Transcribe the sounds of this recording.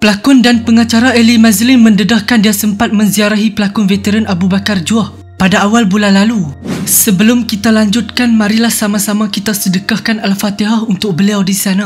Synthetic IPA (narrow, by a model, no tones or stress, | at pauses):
pəlakʊndanpəŋat͡ʃaɾaʔelimãzlɪmmə̃ndədahkandiasəmpat̪̚mə̃nziaɾaɦipəlakʊnvet̪eɾanʔabubakard͡ʒuah | padaːwalbulanlalusəbəlʊmkit̪alaɲd͡ʒʊt̪̚kanmãɾilahsamãsamãkit̪asədəkahkanalfat̪iɦahunt̪ʊk̚bəliawdisana